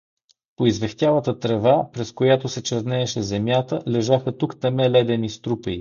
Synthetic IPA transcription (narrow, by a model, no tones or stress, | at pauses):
poizvɛxt̪ʲjalˠət̪ət̪ɾɛvapɾɛskojat̪osɛt͡ʃɛɾnɛːʃɛzɛmjat̪əlɛʒaxət̪ukt̪ɐmɛlɛd̪ɛnist̪ɾupəj